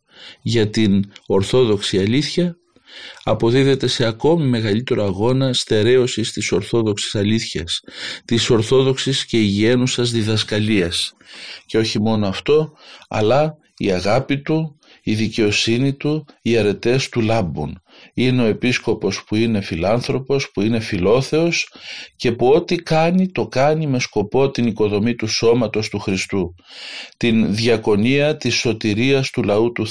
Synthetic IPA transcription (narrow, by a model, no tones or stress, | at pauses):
ʝɐt̪ino̞ɾθo̞ðo̞ksiɐliθçɐː | po̞ðiðe̞t̪e̞se̞ɐko̞mime̞ɣɐlit̪e̞ɾo̞ɐɣo̞nɐst̪e̞ɾe̞o̞sist̪iso̞ɾθo̞ðo̞ksi̥sɐliθçɐst̪iso̞ɾθo̞ðo̞ksisce̞iʝie̞nusɐzðiðɐskɐliɐs | ce̞o̞çimo̞noɐft̪o̞ɐ̰lɐ | iɐɣɐpit̪u | iðice̞o̞sinit̪uiɐɾe̞t̪e̞st̪ulɐbṵn | ineo̞e̞pisko̞po̞spuine̞filɐnθɾo̞po̞spuine̞filo̞θe̞o̞sce̞puo̞t̪ikɐnit̪o̞kɐnime̞sko̞po̞t̪iniko̞ðo̞mit̪uso̞mɐt̪o̞st̪uxɾist̪ut̪inðʝɐko̞niɐt̪isːo̞t̪iɾiɐst̪ulɐut̪u